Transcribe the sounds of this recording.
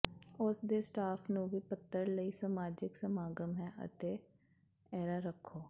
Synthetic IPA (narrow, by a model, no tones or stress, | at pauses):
ʊsd̪eːsʈaːpʰnũːʋiːpət̪ːəɾləiːsəmaːd͡ʒɪksəmaːɡəmɦɛːə̰t̪eː | ɛːɾaːɾəkʰːoː